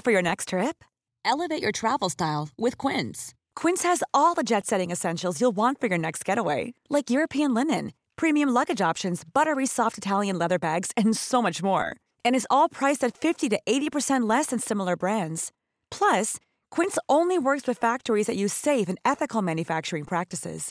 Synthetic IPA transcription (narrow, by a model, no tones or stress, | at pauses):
fə˞jə˞nɛkstʰɹ̥ɪp̚ | ʔɛlˠəveɪt͡ʃə˞tʰɹ̥ævl̩ˠstaɪlˠwɪð̥kʰw̥ɪ̃ns | kʰw̥ɪ̃nshɨzɔlˠðəd͡ʒɛtsɛɾɪ̃ŋɨsɛ̃nʃl̩ˠzjulˠwɑ̃ntfə˞jə˞nɛkst̚ɡ̥ɛɾəweɪlaɪkjʊɹɨpʰiɨ̃nlɪ̃nɨ̃n | pʰɹ̥ĩmiɨ̃mlʌɡɨd͡ʒɑpʃɨ̃nzbʌɾə˞isɔftɨtʰælˠjɨ̃nlɛðə˞bæɡz̥ɨ̃nsoʊmʌt͡ʃmɔ̰ɹ | ɨ̃ñɨzɔlˠpʰɹ̥aɪsɨtfɪftiɾɨʔeɪɾipə˞sɛ̃nʔlɛsɨ̃nsɪ̃ml̩ˠə˞bɹæ̃ndz̥ | pʰl̥ʌs | kʰw̥ɪ̃nsõʊ̃nliwɜ˞kswɨð̥fæk̚tə˞izðɨt͡ʃɨ̥seɪvɨ̃nɛθɨkl̩ˠmæ̃njɨfæk̚t͡ʃə˞ɪ̃ŋpʰɹ̥æk̚tɨsɪ̰z̥